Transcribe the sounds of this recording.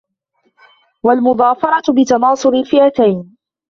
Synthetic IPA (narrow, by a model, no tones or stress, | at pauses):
walmʊðˤɑːfɑɾˤɑt̪bɪt̪ɑnɑːsˤʊɾɪlfɪʔat̪ajn